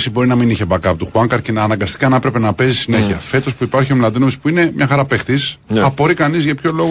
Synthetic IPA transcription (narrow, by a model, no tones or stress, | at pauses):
sibo̞ɾinɐminiçebɐkɐpt̪uxuɐŋkɐɾcinɐːnɐŋɡɐst̪i̥kɐnepɾe̞pe̞nɐpe̞zissine̞çiɐfe̞t̪o̞spuipɐɾçio̞mlɐndinospuine̞mɲɐxɐɾɐpext̪isɐpo̞ɾikɐnizʝɐpço̞lo̞ɣ